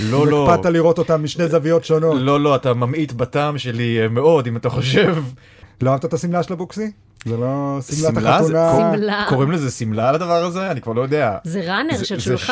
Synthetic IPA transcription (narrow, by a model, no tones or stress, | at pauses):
lo̞elpadtaliʁo̞t̪o̞t̪amːiʃnezavijo̞tʃono̞lo̞lo̞atamamit̪bataːmʃe̞limeo̞d̪imataχo̞ʃ̬e̞v | loaavt̪atasimlaʃelabuksi | zelo̞simlaalaunalako̞ʁimlezesimlalad̪avaʁaze̞anikvaʁlo̞jod̪eazeʁanez